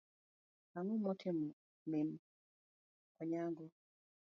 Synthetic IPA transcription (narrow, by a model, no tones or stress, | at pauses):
aŋumɔtʰɪm | mɪn | kɔɲaɡɔ